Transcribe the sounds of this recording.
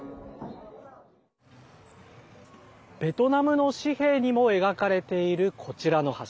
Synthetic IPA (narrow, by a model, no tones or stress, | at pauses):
b̥e̞t̪o̞namɯ̟no̞ɕihe̞ːɲ̟imo̞e̞ɡakaɾe̞t̪e̞iɾɯ̟kʰo̞t͡ɕiɾano̞ha